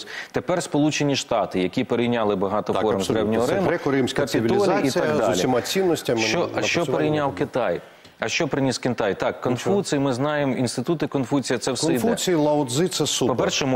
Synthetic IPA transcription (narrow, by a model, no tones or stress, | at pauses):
t̪epɛrspɔlˠut͡ʃenʲiʃt̪ɑt̪ɪjɐkʲipeɾejnʲɑlˠɪbɐɦɑt̪ɔfɔɾmzd̪ɾɛwnʲɔɦɔɾɪmʊkɾɪmsʲkɐpʲiilʲɔlʲiiit̪ɑɡd̪ɑlʲiimɑt͡sʲinːɔsʲtʲɐmt͡ʃɔɐʃt͡ʃɔpeɾejnʲawkɪt̪ɑj | ɐʃt͡ʃɔpɾɪnʲiskʲɪnt̪ɑjt̪ɑkːɔnfut͡sʲijimɪznɑjemɔinst̪ɪt̪ut̪ɪkɔnfut͡sʲijɐt̪sɛwsɛjd̪ɛt͡sʲiilˠɐʊd̪zɪt̪sɛsupɔpɛrʃɛm